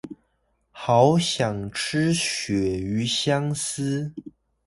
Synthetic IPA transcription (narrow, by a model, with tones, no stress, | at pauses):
xɑ˧˥ʊɕjɑ˨˩ŋʈ͡ʂ̩ʰ˥ɕɥɛ˨˩y˧˥ɕjɑ˥ŋs̩˥